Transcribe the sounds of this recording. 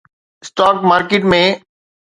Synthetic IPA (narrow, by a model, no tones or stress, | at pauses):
ɪsʈaːkmaːɾkɪʈmẽ